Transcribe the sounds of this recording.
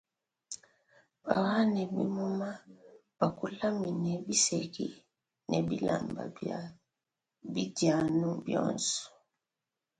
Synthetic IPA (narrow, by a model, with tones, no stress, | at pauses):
ba˨wa˦nɛ˨bi˦mu˦ma˦ | b̥a˨ku˦la˦mi˨nɛ˨bi˦sɛ˨kḭ˦ | nɛ˨bi˦la̰˨mba̰˨a | bi˦da˨nu˦bjɔ̰˦˨nsɔ̥˨